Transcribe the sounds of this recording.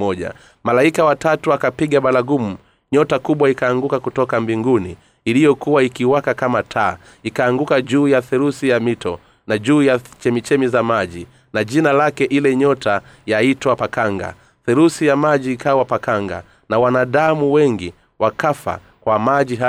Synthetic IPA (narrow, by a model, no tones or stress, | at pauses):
ɔʄa̰ | malaikawatatuakapiɠaɓalaɡumu | ɲɔtakuɓwaikaːŋɡukakutɔkambiŋɡunḭː | lijɔkuwaikiwakakamatʰaː | ikaːŋɡukaʄuːjaθɛɾusijamitʰɔ̰ | naʄuːjat͡ʃɛmit͡ʃɛmizamaʄi | naʄinalakɛʔilɛɲɔta | jaitwapakaŋɡa̰ | θɛɾusijamaʄiːkawapakaŋɡa̰ | nawanaɗamuwɛŋɡi | wakafa̰ | kwamaʄiɦa